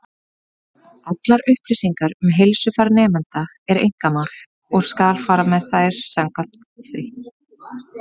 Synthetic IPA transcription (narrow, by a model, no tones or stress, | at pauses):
at̪laɾʏhplɪsiŋkaɾʏmɦejlsʏfaɾnɛːmɛnt̪a | ɛɾḛjŋ̥kanal̥ | ɔɣskaːlfaːɾamɛðθajɾ̥sɛmkal̥t̪ | θvɪ